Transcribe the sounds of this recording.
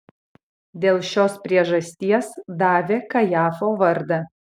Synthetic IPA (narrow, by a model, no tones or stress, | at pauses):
d̪ʲeːlˠʃʲoːspʲɾʲiɛʒɐsʲt̪ʲiɛsd̪ɑːʋʲeːkɐjɑːfoːʋɐɾd̪ɐ